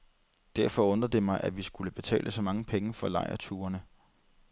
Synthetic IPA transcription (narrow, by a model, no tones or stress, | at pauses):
d̥æɐ̰fɒ̽ɔ̽nd̥ɐð̩ˠd̥e̝mɑ̈ɪʔæʋisɡ̥uləb̥e̝t͡sʰɛ̰ːlʔəsɒ̽mɑ̈ŋəpʰeŋəfɒ̽lɑ̈ɪ̰ɐ̰t͡sʰuːɐnə